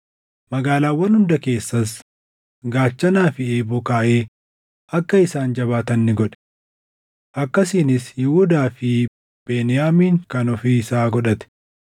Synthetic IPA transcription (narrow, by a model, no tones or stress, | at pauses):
mɐɡaːlaːwːɐnhʊnd̪ɐke̞ːsːɐs | ɡaːt͡ʃːɐnaːfɪeːbɔkaːʔeː | ʔɐkːɐɪsaːnd͡ʒɐβaːt̪ɐnːɪɡɔᶑɛ̥ | ʔɐkːɐsiːnɪsjɪhʊd̪aːfɪ | b̥eːnɪjaːmiːŋkɐnɔfiɪsaːɡɔᶑɐt̪ɛ̥